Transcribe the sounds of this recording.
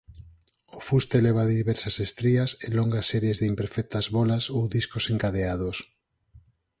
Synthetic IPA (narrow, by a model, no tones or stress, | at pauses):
ofust̪eleβ̞aðiβɛɾsɐsest̪ɾiɐseloŋɡɐsːɛɾjezðɪimpeɾfɛk̚t̪ɐzβɔlɐsowðiskoseŋkaðeað̞os